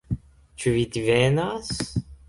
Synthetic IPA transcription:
t͡ʃyvit̪ivɛnas

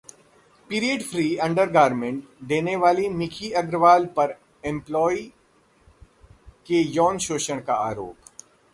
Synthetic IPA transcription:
piːɾiəɖfʰɾiːɐ̃ɳɖəɾɡaːɾmẽɳʈd̪eːneʋaːlimɪkʰiɐɡɾəʋaːlpɐɾ | ɪ̃mplɔːi | kejɔːnʃoːʃəɽ̃kaa̰ːɾo̰ːp

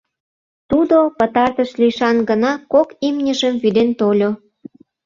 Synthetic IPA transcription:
t̪ud̪opə̆t̪ɑrt̪əʃliʃɑnɡənɑkokimnʲəʒəmvyd̪ent̪olʲo

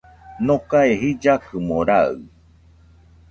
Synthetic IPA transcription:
nõkaeɦid͡ʒakɨmõɾaɨ̰

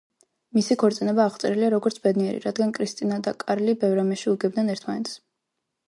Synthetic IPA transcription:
misikʰɔɾt̪sʼinɛbaːχt̪sʼɛɾiliaɾɔɡɔɾt̪sʰbɛd̪niɛɾḭɾad̪ɡankʼɾist̪ʼinad̪akʼaɾlibɛvɾamɛʃiuɡɛb̚d̪nɛnɛɾt̪ʰma̰nɛt̪s

